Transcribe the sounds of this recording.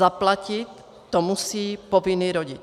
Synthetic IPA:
aplacit̪ː | ɔmusiːpɔviniːɾɔɟi

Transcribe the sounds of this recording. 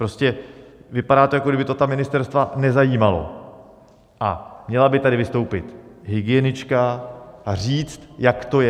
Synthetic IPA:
pɾo̞scɛvɪpadaːt̪ojakoɡɾdɪbɪt̪ot̪amɪnɪst̪ɛɾst̪vanɛzajiːmalo̞̰ | ʔa̰mɲɛlabɪt̪adɪvɪst̪o̞wpɪt̪ɦɪɡɪjɛnɪt͡ʃkaariːt͡st̪jakt̪o̞jɛ

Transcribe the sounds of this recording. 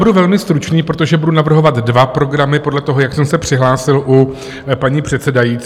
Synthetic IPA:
buduvɛlmɪst̪ɾut͡ʃniːpɾo̞t̪o̞ʒɛbudunavr̩ɦo̞vat̪dvapɾo̞ɡɾamɪpo̞dlɛt̪o̞ɦojaksɛmsɛpr̝̥ɪɦlaːsɪlʔu | paɲiːpr̝̥ɛt̪sɛdajiːt͡s

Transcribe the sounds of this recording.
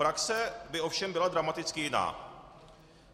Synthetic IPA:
ɾaksɛbɪʔo̞fʃɛmbɪlad̪ɾamat̪ɪt͡skɪjɪna̰ː

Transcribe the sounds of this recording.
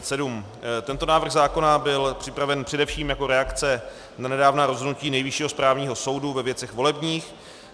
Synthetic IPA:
sɛdum | t̪ɛnt̪o̞naːvrɣzaːko̞nabɪlpr̝̥ɪpɾavɛnpr̝̥ɛdɛfʃiːmjako̞ɾɛakt͡sɛ | nanɛdaːvnaːɾozɦodnuciːnɛjvɪʃiːɦo̞spɾaːvɲiːɦo̞so̞wduvɛvjɛt͡sɛxvo̞lɛbɲiːx

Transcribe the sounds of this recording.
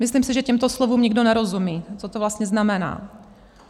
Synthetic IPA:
mɪsliːmsɪʒɛcɛmt̪oslovuːmɲɪɡdonɛɾozumiːt͡sot̪ovlast̪ɲɛznamɛna̰ː

